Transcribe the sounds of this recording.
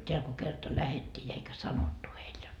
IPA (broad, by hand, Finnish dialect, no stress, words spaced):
teæl ko kertɑ læhetːiː jɑ eikæ sɑnotːu heil